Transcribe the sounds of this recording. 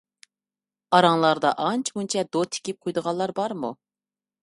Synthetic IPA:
ɑɾɑŋlˠɑɾd̪ɑʔɑnt͡ʃʰmunt͡ʃʰɛd̪ot̪ʰɪ̥kʲip̚qʰojd̪əʁɑlˠɑɾbɑɾmu

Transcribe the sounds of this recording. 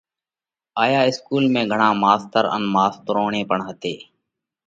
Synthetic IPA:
aːjaːɪskuːlmẽːɡʱəɳaːmaːst̪əɾə̰nmaːst̪əɾoːɳẽːpəɳɦət̪eː

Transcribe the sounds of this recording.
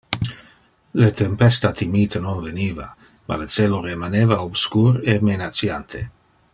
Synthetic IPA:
let̪empɛst̪at̪imiːt̪enonveniːva̰ | ma̰let͡seːloɾemaneːvaobskuːɾemenat͡sjant̪ʰe

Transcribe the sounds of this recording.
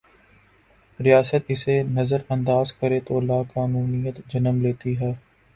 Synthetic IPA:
ɾɪjaːsət̪ɪsenɐzəɾɐ̃nd̪aːzkəɾet̪oːlaːkaːnuːnijət̪d͡ʒɐnəmleːt̪iɦɛː

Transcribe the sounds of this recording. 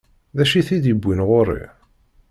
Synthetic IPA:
ðæʃiθid̪jəbːinʁʊɾḭ

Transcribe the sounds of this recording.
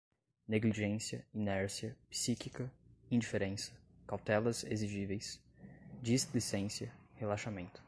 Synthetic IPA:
neɡliʒẽsiɐinɛɾsiɐpi̥sikikɐĩd͡ʒifeɾẽsɐ̥ | kawt̪ɛlɐzeziʒivejs | d͡ʒislisẽsiɐhelaʃamẽnt̪ʊ̥

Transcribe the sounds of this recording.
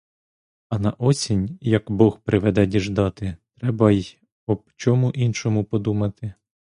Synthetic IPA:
ɐnɐʔɔsʲinʲjɐkbɔxpɾɪʋɛd̪ɛdʲiʒd̪ɑt̪ɪt̪ɾɛbɐj | ɔt͡ʃɔmuʔinʃɔmʊpɔd̪umɐt̪ɪ

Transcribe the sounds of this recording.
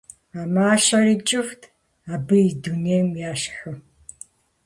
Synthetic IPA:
aːmaːʃɐrit͡ʃʼɪftʰ | aːbɨidunejmjaːʃħɨ

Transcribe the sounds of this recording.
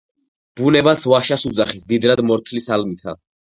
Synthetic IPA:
b̥unɛbasvaʃasud̪zaχisd̪id̪ɾad̪mɔɾt̪ʰlisalmit̪ʰa̰

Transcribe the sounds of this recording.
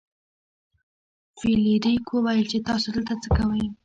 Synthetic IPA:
filiɾikwəwajəlt͡ʃet̪ɑsod̪əlt̪at͡səkawəj

